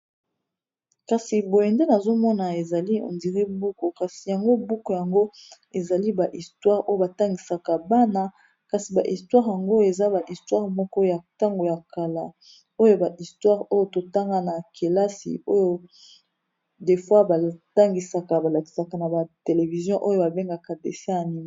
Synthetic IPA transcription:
ka˨si˨bo˨jɛ˨nde˦na˨zo˦mɔ˦na˨e˨za˨li˦o̰˨ndi˨ʁe˦bu˦ko˨ka˨si˨ja˨ŋɡo˦bu˦ko˨ja˨ŋɡo˦ | e˨za˨li˦ba˨ʔi˨stwa˦ʁo˦jo˨ba˨ta˦ŋɡi˨sa˨ka˨ba˦na˦ | ka˨si˨ba˨ʔi˨stwa˦ʁja˨ŋɡo˦e˨za˦ba˨ʔi˨stwa˦ʁmɔ˦kɔ˦ja˨ta˦ŋɡo˨ja˨ka˨la̰˦ | o˦jo˦ba˨ʔi˨stwa˦ʁo˦jo˦to˨ta˦ŋɡa˦na˨kʰe˨la˦sḭ˨o˦jo˦ | de˨fwa˦ba˨ta˦ŋɡi˨sa˨ka˨ba˨la˨ki̥˨sa˨ka˨na˨ba˨te˨le˨vi˨zjɔ̃˦ʔo˦jo˦ba˨be˦ŋɡa˨ka˨dḛ˨sɛ˦a˨ni˦ma˦

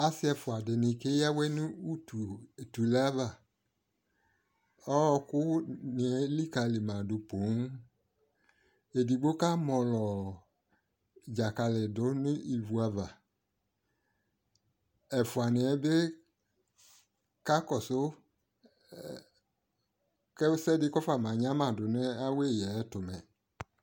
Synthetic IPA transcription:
a˨sɪ˦ɛ˧fʊ˨a˨dɪ˨nɪ̃˨ke˦ja˦wɛ˦nʊ˦u˦tu˨tu˨la˦va˨ | ɔ˦˧kʊ˦nɪ̃˨ɛ˨˦li˦ka˧li˨mã˨dʊ˨po˨˦ŋ˦ | e˨di˨ɡ͡bo˦ka˦mɔ̃˧lɔ˨ | d͡ʒa˨ka˧lɪ˨dʊ˨˦nʊ̃˦i˨vu˨˦a˧va˨ | ɛ˨fʊ˨a˨nɪ˨ɛ˨˦be˦ | ka˦kɔ˨sʊ˦ | kɛ˦sɛ˦dɪ˦kɔ˦fa˨mã˨ɲã˦mã˨dʊ˨nɛ˦a˦we˦˨jɛ˨˦tʊ˨mɛ̃˨

